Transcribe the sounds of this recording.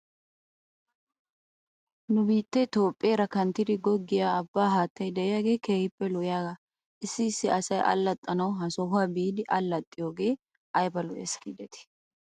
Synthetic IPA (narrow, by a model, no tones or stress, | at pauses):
nʊbiːt̪ːɛt̪o̞ːpʼːɪeːɾɐkɐnt̪ːɪd̪ɪɡɔɡːɪjaːɐbːaːɦaːt̪ːɐjd̪ɛʔɪjaːɡe̞ːke̞ːhɪpːɛlɔʔjaːɡɐ | ɪsːɪɪsːɪɐsɐjʔɐ̰lːɐt̪ʼːɐnɐwɦɐsɔɦʊwaːbiːd̪ɪʔɐlːɐt̪ʼːɪjo̞ːɡe̞ː | ʔɐjbɐlɔʔɛ̰skid̪ɛt̪ɪ̥